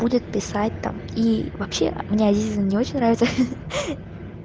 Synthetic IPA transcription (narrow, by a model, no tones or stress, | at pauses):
budʲɪt̪̚pʲɪsat̚ʲt̪a̰mivɐpɕːe̞̰ʔmnʲeɐdʲetʲɪzʲnənʲɪo̞t͡ɕɪnʲnɾavʲɪt̪sə